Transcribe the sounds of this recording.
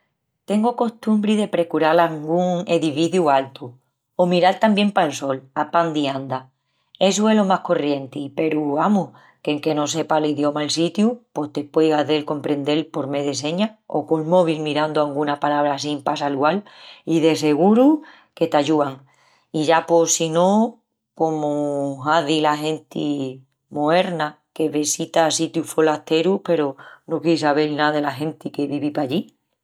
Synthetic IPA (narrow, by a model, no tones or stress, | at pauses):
t̪e̞ŋɡoko̞st̪umbɾiðe̞pɾe̞kuɾalaŋɡuŋe̞ðifiθjualt̪u | omiɾalt̪ambje̞mpaelso̞lapand̪iand̪a | e̞s̬uelo̞mahko̞rje̞nt̪ipe̞ɾuamu | keŋke̞no̞se̞paliðjo̞maelsit̪jupo̞ht̪e̞pwejɣaðe̞lko̞mpɾe̞nd̪e̞lpo̞ɾme̞ðes̬e̞ɲao̞̰ko̞lmo̞β̞ilmiɾand̪oaŋɡunapalaβ̞ɾasimpasalualiðe̞se̞ɣuɾu | ke̞t̪aʝuaŋ | iʝapo̞sinõ̞ | ko̞moaðilaɦe̞nt̪i | moe̞ɾna | ke̞βesit̪asit̪jufolaht̪e̞ɾupe̞ɾono̞kisaβelnaðe̞laɦe̞nt̪ike̞βiβipaʝi